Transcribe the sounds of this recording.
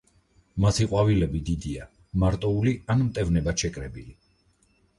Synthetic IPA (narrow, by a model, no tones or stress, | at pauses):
masiqʼwavilɛbid̪id̪ia | maɾt̪ʼɔulianmt̪ʼɛvnɛbaʃɛkʼɾɛbili